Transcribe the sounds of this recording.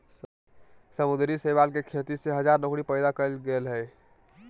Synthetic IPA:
səmʊd̪ɾisəjbalkekʰet̪iseɦəd͡ʒaɾnokɽipəɪd̪akəlɡəlɦəː

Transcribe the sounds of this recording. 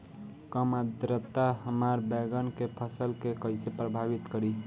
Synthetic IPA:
kəmad̪ɾət̪ːaɦəmaɾbɛɡənkepʰəsəlkekəɪsepɾəbʱabit̪kəɾi

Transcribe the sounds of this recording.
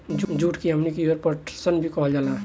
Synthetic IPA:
d͡ʒd͡ʒuːʈkiɦəmnikiəɾpəʈsənbʱikɔɦld͡ʒaːla

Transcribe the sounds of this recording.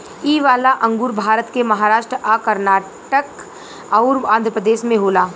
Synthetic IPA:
iːʋaːlaʔɐ̃ŋɡuːɾbʱaːɾət̪kemɐɦaːɾaːʃʈɾəʔakəɾnaː | ʈək | ɐʊɾãːnd̪ʱɾəpɾəd̪eːʃmẽɦoːlaː

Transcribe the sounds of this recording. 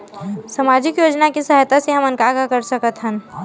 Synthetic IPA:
sɐmaːd͡ʒɪkjoːd͡ʒnakisəɦjt̪aseɦɐmɐnkaɡakəɾsəkət̪ɦən

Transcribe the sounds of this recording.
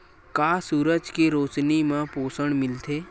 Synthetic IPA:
kaːsuːɾəd͡ʒkiɾoːt͡ʃnimãpoːsəɽ̃mɪlt̪ʰeː

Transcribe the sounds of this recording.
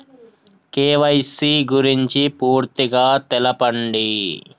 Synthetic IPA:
keːʋɐjsiːɡuɾiɲt͡ʃipuːɾt̪iɡaːt̪ɛlɐpɐɳɖi

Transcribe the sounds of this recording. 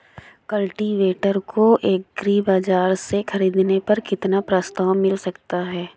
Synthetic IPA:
kɐlʈiʋeːʈəɾkʰoʔeːk̚ɡɾiːbaːd͡ʒaːɾsexɐɾiːd̪nepɐɾkɪt̪napɾaːst̪aːwmɪlsɐkt̪aɦɛː

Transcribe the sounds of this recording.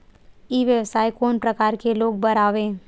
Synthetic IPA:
iːʋjəʋsaːikoːnpɾəkaːɾkeloːɡ̚bɐɾaːʋẽː

